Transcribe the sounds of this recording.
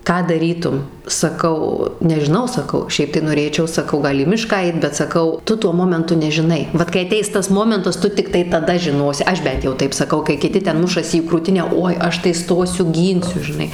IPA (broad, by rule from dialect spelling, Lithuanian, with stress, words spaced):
ˈkɑː dɐˈrʲiːtʊm sɐˈkɐʊ nʲɛʒʲɪˈnɐʊ sɐˈkɐʊ ˈʃʲɛɪp tɐɪ noːˈrʲeːt͡ʃʲɛʊ sɐˈkɐʊ ˈɡɐlˠ iː ˈmʲɪʃkɑː ˈɐɪt bʲɛt sɐˈkɐʊ ˈtʊ ˈtuɔ ˈmoːmʲɛntʊ nʲɛʒʲɪˈnɐɪ ˈʋɐt kɐɪ ɐˈtʲɛɪs ˈtɐs ˈmoːmʲɛntɐs ˈtʊ tʲɪkˈtɐɪ tɐˈdɐ ʒʲɪˈnoːsʲɪ ˈɐʃ ˈbʲɛnt jɛʊ ˈtɐɪp sɐˈkɐʊ kɐɪ kʲɪˈtʲɪ ˈtʲɛn ˈmʊʃɐsʲɪ iː kruːˈtʲɪnʲæː ˈoːɪ ˈɐʃ tɐɪ ˈstoːsʲʊ ˈɡʲiːnʲsʲʊ ʒʲɪˈnɐɪ